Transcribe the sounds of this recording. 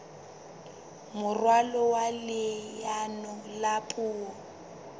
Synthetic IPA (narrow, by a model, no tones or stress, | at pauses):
mʊrwalɔwalɪjanɔlapʼuːɔ